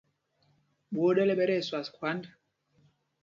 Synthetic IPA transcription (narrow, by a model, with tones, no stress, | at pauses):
ɓo˦ɗɛ˦lɛ˦ɓɛ˦ɾɛ˦˨swa˨skwa˦nda˨